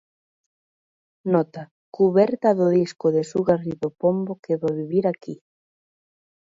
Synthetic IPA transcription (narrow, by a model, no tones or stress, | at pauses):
nɔt̪a | kuβɛɾt̪aðʊðiskʊðesuɣariðopombokeβoβiβiɾaki